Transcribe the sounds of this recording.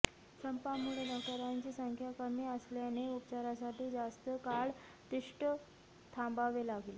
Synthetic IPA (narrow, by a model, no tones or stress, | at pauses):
səmpamuɭed̪aʈaɾaɲt͡ɕiːsəŋkʰjakəmiːəsljaneupt͡ɕaɾasaʈiːd͡zast̪əkaɭ | t̪iʂʈə | t̪ʰãmbaʋelaɡil